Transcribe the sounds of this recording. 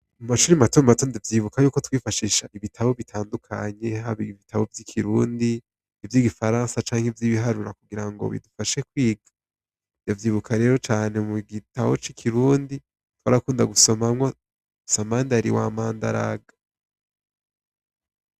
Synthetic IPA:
umaʃuːɾimatomatondevjiːβukajuːko̞twiːfaʃiːʃaʔiβitʰaβo̞βitʰaːndukʰa̰ɲe̞ɦaβiβitʰaβo̞vjikʰiɾuːndi | ivjiːɡifaɾãːnsat͡ʃaːŋ̥hevjiːβiɦaɾuɾakuɡiɾaŋɡo̞̰βḭdufaʃe̞kwiːɡa | njavjiːβukʰaɾe̞ːɾo̞t͡ʃaːne̞muɡitaβot͡ʃikʰiɾuːndi | twaɾakuːndaɡuso̞mamŋo̞ | samaːndaɾḭwa̰ːmaːnda̰ɾa̰ɡḁ

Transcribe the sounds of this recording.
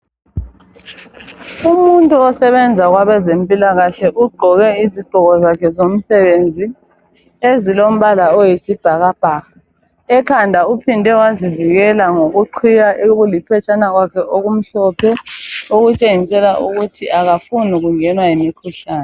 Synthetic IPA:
umuntʼuɔsɛβɛnd͡zʱaɣwaβɛzempʼilaɣaɬɛʔuɡ͡ǃʱɔɣɛiziɡ͡ǃʱɔɣɔzakʰɛzom̩sɛβend͡zʱi | ezilom̩βalaɔjisib̥ʱaɣab̥ʱaːɣa | ɛkʰandʱaupʰindʱɛwaziviɣɛlaŋoɣuǃʰijaʔeɣulipʰɛt͡ʃʰʼanaɣwakʰɛʔoɣum̩ɬɔpʰɛoɣut͡ʃʼeŋisɛlaʔuɣutʰiʔaɣafunuɣuŋɛnwajimikʰuɬaːnɛ

